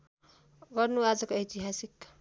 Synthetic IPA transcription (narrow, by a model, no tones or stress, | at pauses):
ɡʌrnuad͡zʌkoejt̪iɦasik